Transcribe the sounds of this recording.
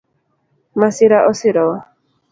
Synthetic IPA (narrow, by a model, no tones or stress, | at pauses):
masiɾaʔɔsiɾɔwa